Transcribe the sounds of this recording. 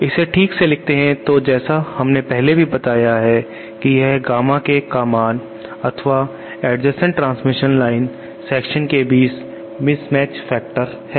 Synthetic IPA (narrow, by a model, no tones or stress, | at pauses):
ɪseʈʰiːkselɪk̚ʰt̪eɦɛ̃t̪od͡ʒɛːsahɐmnepɛɦlebʱibɐt̪aːjaɦɛ | kijɛɦɡaːmãkekaːmaːn | ɐt̪ʰʋa | ɛːɖd͡ʒəsə̃ɳʈɾãːnsmɪʃənlaːɪn | sɛːkʃənkebiːs | mɪsmɛːt͡ʃfɛːk̚ʈəɾ | hɛː